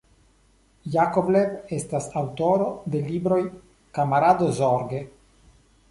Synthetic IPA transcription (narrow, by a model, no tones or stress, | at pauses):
jakobleve̞stasawto̞ɾo̞d̪e̞libɾo̞j | kamaɾadozoɾɡe̞